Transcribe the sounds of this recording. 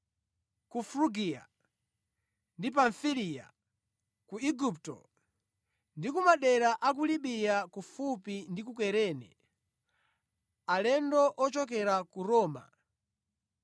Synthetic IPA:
kufɾuɡija̰ | ndip̬aɱfilija̰ | kuiɡuptɔ̰ | ndikumaɗɛɾaʔak̬uliɓijakufupindikukɛɾɛnɛ̰ | alɛndɔʔɔt͡ʃɔkɛɾakuɾɔːma̰

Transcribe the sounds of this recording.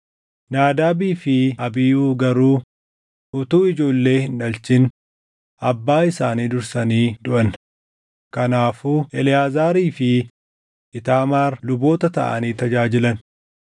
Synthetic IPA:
naːd̪aːbiːfɪɐbɪjuːɡɐɾuː | ʔʊt̪uːɪd͡ʒo̞ːlːe̞ːhɪnᶑɐlt͡ʃɪn | ʔɐbːaːɪsaːniːd̪ʊɾsɐniːd̪ʊʔɐn | kɐnaːfuːʔɛlɪjaːzaːɾiːfɪ | ʔɪt̪aːmaːɾlʊbo̞ːt̪ɐt̪ɐ̰ʔɐ̰niːt̪ɐd͡ʒaːd͡ʒɪlɐn

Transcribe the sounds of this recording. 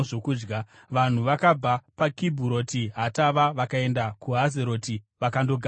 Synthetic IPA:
ʐokuːd͡ʒɡa | ʋan̤uʋakab͡vʱapakibʱuɾo̞tiɦataʋaʋakae̞ndakuɦazeɾo̞ti | ʋakando̞ɡʱa

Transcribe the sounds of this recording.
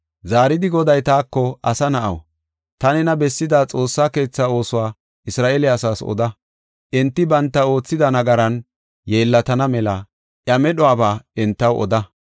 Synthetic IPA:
zaːɾɪd̪ɪɡɔd̪ɐjt̪aːkːɔɐsɐnɐʔɐ̰w | t̪ɐnɛnɐbɛsːɪd̪aːt͡sʼo̞ːsːaːke̞ːt͡sːao̞ːsʊwaː | ʔɪsɾaːʔɛlɪɐsaːsɔ̰d̪ɐ | ʔɪnt̪ːɪbɐnt̪ːɐo̞ːt͡sːɪd̪ɐnɐɡɐɾɐn | je̞ːlːɐt̪ɐnɐmɛlɐ | ʔjɐmɛɗɔaːbaːɪnt̪ːɐwʔɔ̰d̪ɐ

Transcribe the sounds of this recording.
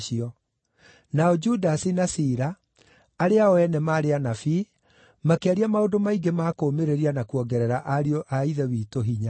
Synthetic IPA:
ʃiɔ | naɔd͡ʒudasinasiɾa | aɾeaɔɛnɛmaːɾeanafi | makeaɾiamaodomaiɡemaːkomeɾeɾianakuɔɡɛɾɛɾaʔaɾioʔaiðɛwiːtoɦiɲa

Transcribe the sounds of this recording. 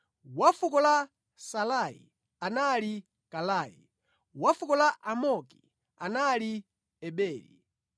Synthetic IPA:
wafukɔla | salaḭ | anali | kalaːjḭ | wafukɔlaʔamɔki̥ | a̰nali | ɛɓɛːlḭ

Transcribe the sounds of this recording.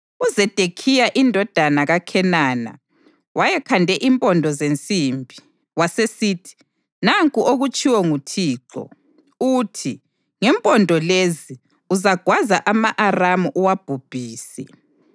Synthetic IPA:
uzɛd̥ʱekʰijaʔindʱɔd̥ʱanaɣakʰɛnaːna̰ | wajɛkʰandʱɛʔimpʼɔndʱɔzent͡sʼiːmbʱi | wasesiːtʰi̥ | naŋkʼuʔoɣut͡ʃʼiwɔŋutʰiːǁɔ̰ | utʰi | ŋɛmpʼɔndʱɔlezi | uzaɡ̥ʱwazaʔamaʔaramuʔuwab̥ʱub̥ʱiːsɛ̰

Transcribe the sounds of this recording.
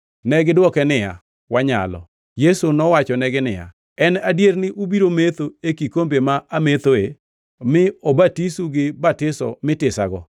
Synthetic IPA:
nɛɡɪdwɔkɛnɪja̰ | waɲa̰lɔ̰ | jesonɔwat͡ʃɔnɛɡɪnɪja̰ | ɛnadjernɪʔubiɾomet̪oekikombemaʔamet̪oe | mɪobatisuɡɪbatɪsɔ̰mɪtɪsaɡɔ̰

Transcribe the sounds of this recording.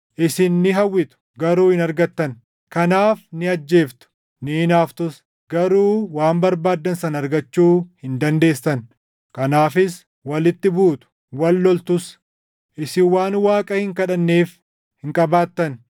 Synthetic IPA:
ʔɪsɪnːɪɦɐwːɪt̪ʊ̥ | ɡɐɾuːhɪnɐɾɡɐt̪ːɐn | kɐnaːfnɪɐd͡ʒːe̞ːft̪ʊ̥ | nɪnaːft̪ʊs | ɡ̥ɐɾuːwaːmbɐɾbaːd̪ːɐnsɐnɐɾɡɐt͡ʃːuːhɪnd̪ɐnd̪e̞ːsːɐn | kɐnaːfɪs | wɐlɪt̪ːɪbuːt̪ʊ̥ | wɐlːɔlt̪ʊs | ʔɪsɪwaːnwaːkʼɐhɪŋkɐᶑɐnːeːf | hɪŋkʼɐbaːt̪ːɐn

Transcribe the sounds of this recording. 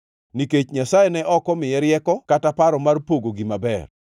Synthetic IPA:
niket͡ʃɲasajenɛʔɔkɔmɪjɛɾjɛkɔkatapaɾɔmarpoɡoɡimabɛ̰r

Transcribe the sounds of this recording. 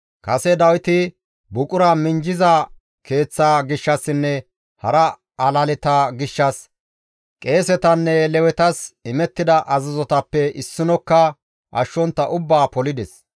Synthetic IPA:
kɐsɛd̪ɐwɪt̪ɪ | bʊkʼʊɾamɪnd͡ʒɪzɐ | ke̞ːt͡sːaːɡɪʃːɐsːɪnːɛ | hɐɾɐ | ɐlɐlɛt̪ɐɡɪʃːɐs | kʼe̞ːsɛt̪ɐnːɛlɛwɛt̪ɐsɪmɛt̪ːɪd̪ɐʔɐzɐzɔt̪ɐpːɛʔɪsːɪnɔkːɐ | ʔɐʃːɔnt̪ːɐʔʊbːaːpɔlɪd̪ɛs

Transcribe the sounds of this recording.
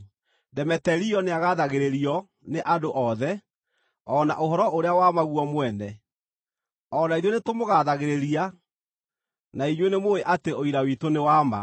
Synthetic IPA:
dɛmɛtɛɾiɔneaɣaðaɣeɾeɾiɔ | neʔadoʔɔðɛ | ɔːna̰ʔoɦɔɾɔʔoɾeawamaɣuɔmwɛnɛ | ɔnaiðwenetomoɣaðaɣeɾeɾia | naiɲwenemoeʔateoiɾawitonewama̰

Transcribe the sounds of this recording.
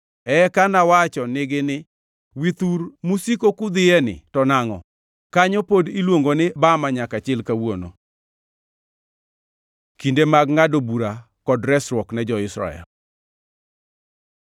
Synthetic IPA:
ɛkanawat͡ʃɔnɪɡɪnɪ | wit̪uɾmusikokʊd̪ɪjɛnɪ̰tɔnaŋɔ̰ | kaɲɔpodilwoŋɡonɪbamaɲakat͡ʃɪlkawono̰ | kindemaɡŋadobuɾa | kɔdɾɛsɾwɔknɛd͡ʒɔɪsɾa̰ɛ̰l

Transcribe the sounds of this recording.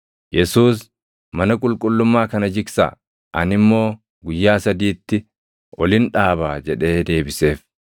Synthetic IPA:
jɛsuːs | mɐnɐkʼʊlkʼʊlːʊmːaːkɐnɐd͡ʒɪksa̰ː | ʔɐnɪmːo̞ː | ɡʊjːaːsɐd̪iːt̪ːɪ | ʔɔlɪnᶑaːbaːd͡ʒɛᶑe̞ːd̪e̞ːbɪse̞ːf

